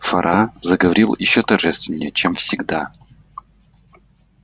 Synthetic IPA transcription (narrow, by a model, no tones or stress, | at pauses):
fɐ̰ɾʔazəɡəvɐɾʲilˠjɪɕːot̪ɐrʐɛst̪vʲɪnʲːɪjət͡ɕemfsʲɪɡd̪a